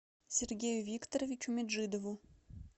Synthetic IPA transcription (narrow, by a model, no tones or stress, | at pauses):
sʲerɡʲejuvʲikt̪oɾovʲit͡ɕumʲed̪ʐɨd̪ovu